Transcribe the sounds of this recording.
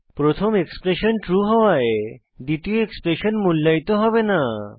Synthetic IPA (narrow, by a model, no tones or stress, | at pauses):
pɾot̪ʰomekspɾeʃonʈɾuɦɔwae | d̪it̪ioekspɾeʃonmulːait̪oɦɔbena